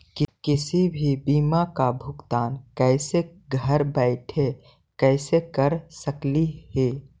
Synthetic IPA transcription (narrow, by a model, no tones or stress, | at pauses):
kkɪsibʱibiːmakabʱʊkt̪aːnkɛɪseɡʱəɾbɛɪʈʰe | kɛɪsekəɾsəklihe